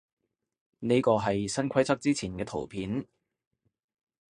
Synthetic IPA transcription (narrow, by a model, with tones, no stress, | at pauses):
ne˥kɔː˧ɦɐ˨jsɐ˥nkʷʰɐ˥jt͡sʰɐ˥k̚t͡siː˥t͡sʰiː˨˩nkɛː˧t̪ʰo̰˨˩wpʰiː˨˥n